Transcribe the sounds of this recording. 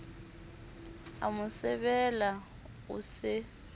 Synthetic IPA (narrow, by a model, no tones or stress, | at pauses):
a̰mʊsɪβɛla | ʊ̰sɪ